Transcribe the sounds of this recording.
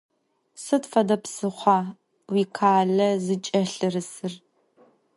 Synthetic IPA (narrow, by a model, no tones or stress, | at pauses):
sɨtfɐdɐpsɨχʷɑː | wiːkʰaːɮɐzɨt͡ʃʼɐɬɨrɨsɨr